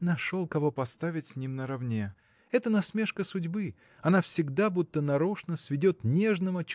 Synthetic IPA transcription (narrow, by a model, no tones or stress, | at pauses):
nɐʂolˠkɐvo̞pɐst̪avʲɪtʲsʲnʲimnəɾɐvnʲe | ɛt̪ənɐsmʲe̞ʂkəsʊdʲbɨ | ɐnafsʲɪɡd̪abut̪ːənɐɾoʂnəsʲvʲɪdʲo̞t̪nʲe̞ʐnəvət͡ɕ